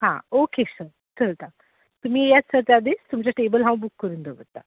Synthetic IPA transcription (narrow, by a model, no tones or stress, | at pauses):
ɦã̰okesəɾ | t͡səlt̪a | t̪umiːjat͡ssəɾt̪ad̪est̪umt͡ɕaʈebəlɦãw̃bukːəɾũːnd̪əbət̪ːa̰